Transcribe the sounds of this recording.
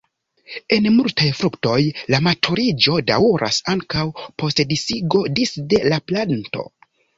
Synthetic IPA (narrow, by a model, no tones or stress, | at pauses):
e̞nmultʰajfɾukto̞jlamatʰoɾid͡ʒo̞da̰wuɾʔa̰saŋkawpo̞stdisiɡo̞disde̞laplanto̞̰